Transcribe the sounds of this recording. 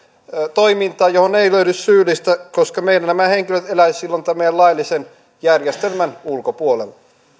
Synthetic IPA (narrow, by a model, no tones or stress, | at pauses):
t̪oimint̪ɑːjohoneiløynyssyːlːist̪ækoskɑmeilænnæmæheŋkiløt̪elæissilːont̪æmːejælɑilːisen | jærjest̪elmænulkopuolel